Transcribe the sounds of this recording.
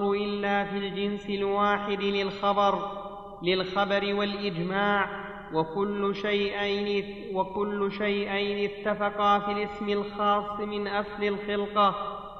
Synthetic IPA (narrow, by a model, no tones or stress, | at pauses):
ʊʔɪlːaːfiːld͡ʒɪnsɪlwaːħɪd̪lɪlxɑbɑɾˤ | lɪlxabɑɾɪwalʔɪd͡ʒmaːʕ | wkʊlːʃajʔ | wakʊlːʊʃajʔajnɪt̪ːafɑqɑfilɪsmɪlxɑːsˤːmɪnʔaslɪlxɪlqɑ